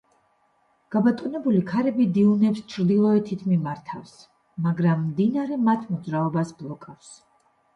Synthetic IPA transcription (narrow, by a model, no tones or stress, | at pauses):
ɡ̥abat̪ʼɔnɛbulikʰaɾɛbid̪iunɛpst͡ʃʰɾd̪ilˠɔɛt̪ʰit̪ʰmimaɾt̪ʰafs | maɡɾamːd̪inaɾɛmat̪ʰmɔd̪zɾaɔbasblˠɔkʼafs